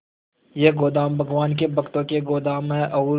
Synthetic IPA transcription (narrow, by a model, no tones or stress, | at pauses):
jeɡoːd̪aːmbʱɐɡʋaːnk̬ebɐkt̪õkeɡoːd̪aːmɦɛ̃ʔɐuː